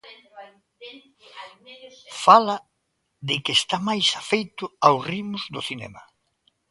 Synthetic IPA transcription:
falɐ | ðɪkeːst̪amajsafejt̪ʊawsrimʊzd̪ʊθinɛ̰mɐ

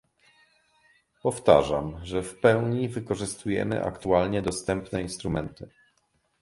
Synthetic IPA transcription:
pɔft̪a̰ʐamʐɛfpɛwɲivɘkɔʐɘst̪ujɛ̰mɘ̰ʔa̰kt̪ualɲɛd̪ɔst̪ɛmpnɛinst̪ɾumɛnt̪ɘ

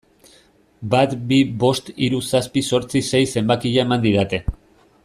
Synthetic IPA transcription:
bat̪biβo̞st̪iɾusaspiso̞ɾt͡sise̞jse̞mbakiʎaemand̪iðat̪e̞

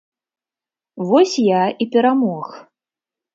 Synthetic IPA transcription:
vɔsʲjaipʲɛɾamɔx

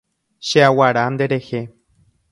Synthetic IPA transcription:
ʃeawaɾand̪e̞ɾexe

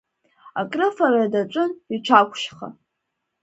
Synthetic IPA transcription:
akʼrɨfaradat͡ʃʷʼʊniʈ͡ʂʷʰakʷʰʼʃχa̰

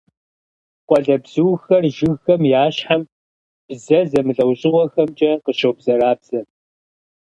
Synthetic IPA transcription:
qʷʼɔɮɐbz̥ɨwxɐrʒɪɣxɐmjaːɕħam | b̥zɐzɐmɨɮʼɐwɕʼɪʁʷɔxɐmt͡ʃʼɐqəʃɐwbzɐɾaːbz̥ɐ

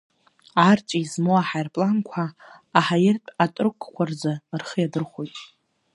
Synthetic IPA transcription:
art͡ʃʼiizmoaħajrpʼlankʷʰaː | ħajɪrtʼatʼrkʷʰkʷʰard͡zarχəjadɨrχʷojtʼ

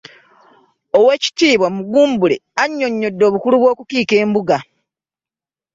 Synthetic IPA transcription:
owe̞ːci̥tiːβwamuɡuːmbule̞aɲːo̞ɲːo̞dːo̞ːβukuluβwo̞ːkukiːke̞ːmbuɡa

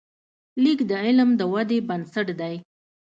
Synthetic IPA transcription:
likd̪əɪlmd̪əwad̪ebansaʈd̪aj

